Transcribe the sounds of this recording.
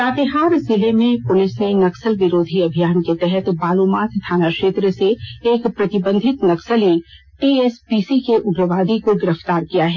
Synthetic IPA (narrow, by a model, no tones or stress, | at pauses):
taːt̪eɦaːɾzɪlemẽpʊlɪsnenɐksəlʋɪɾoːd̪ʱiɐbʱijaːnket̪ɛɦɛt̪baːloːmaːt̪t̪ʰːaːnakʃeːt̪ɾəseːkpɾɐt̪ɪbə̃nd̪ʱɪt̪nɐksəli | ʈiːɛspiːsikeʔʊɡɾəʋaːd̪ʱikoɡɪɾəft̪aːɾkijaɦɛː